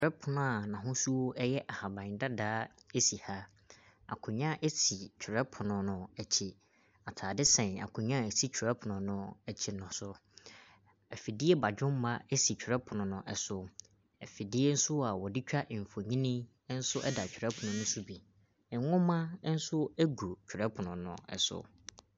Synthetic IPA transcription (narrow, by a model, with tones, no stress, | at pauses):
t͡ɕʰᶣɾɛ˦pʰʊ˨nʊ̃˨a˨nã˨ɦʊ̃˦su˦wo˦ʔɛ˦jɛ˦ʔa˨ha˨bã˨da˦daː˨˦e˦si˨ha˦ | a̰˨kʰʊ̃˨ɲã˦ʔe˦si˨t͡ɕʰᶣɪ˨ɾɛ˦pʰʊ˨nʊ̃˨nʊ̃˨ɛ˨t͡ɕʰi˨ | a˨tʰaː˨dɪ˦sɛ̃˨na̰˨kʰʊ̃˨ɲã˦˨si˦t͡ɕᶣʰɾɛ˦pʰʊ˨nʊ̃˨nʊ̃˨ɛ˨t͡ɕʰɪ˨nʊ̃˨sʊ˨ | æ˨fi˨di˦e˦ba˨d͡ʑᶣʊ̃˦m˦mã˦ɛ˦si˨t͡ɕᶣʰɾɛ˦pʰʊ˨nʊ̃˨nʊ̃˨ʔɛ˨sʊ˦ | ɛ˨fi˨di˦e˦n̩˦sʊ˦a˨wɔ˨di˦t͡ɕᶣa˦ʔm̩˨fo˨ɲĩ˦nĩ˦ | n̩˦sʊ˦ʔɛ̰˦da˨t͡ɕᶣʰɪ˨ɾɛ˦pʰʊ˨nʊ̃˨nʊ̃˦sʊ˦bi˨ | ɛ˨˦ŋʊ̃˦mã˦n̩˦sʊ˦æ˦ɡu˨t͡ɕʰᶣɾɛ˦pʰʊ˨nʊ̃˨nʊ̰̃˨ɛ̰˨sʊ̰˦